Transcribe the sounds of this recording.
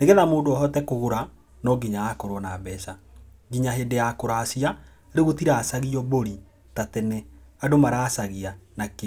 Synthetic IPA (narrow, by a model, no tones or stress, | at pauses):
neɣeðamoːdoɔɦɔtɛkoɣoɾa | nɔɡiɲaakoɾwɔnabɛsa | ɡiɲaɦedejakoɾasia | ɾeɣotiɾaːsaɣiɔβoɾi | tatɛnɛadomaɾaːsaɣianake